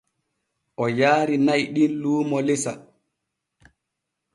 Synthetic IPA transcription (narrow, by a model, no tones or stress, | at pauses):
ʔɔjaːɾinajɗinluːmɔlɛsa